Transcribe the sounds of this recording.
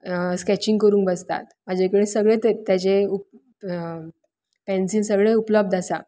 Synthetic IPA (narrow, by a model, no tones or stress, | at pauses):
skæt͡ɕiŋɡkəɾuːŋkbəst̪a̰t̪̚mad͡ʑʱekəɽesəɡɭet̪et̪jat͡seup | pɛ̃nsiːnsəɡɭeupləb̚d̪ʱasa̰